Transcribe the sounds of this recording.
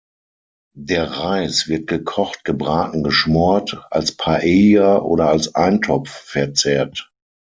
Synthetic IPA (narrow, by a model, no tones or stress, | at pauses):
deːɐʁaɪsv̥ɪɐt̚ɡ̥əkʰɔχt̚ɡ̥əbʁaːtn̩ɡəʃmɔɐtʔa̰lspʰaʔeːjaʔo̰ːɾɐalsʔaɪntʰɔp͡fːɛɐt͡sɛːɐt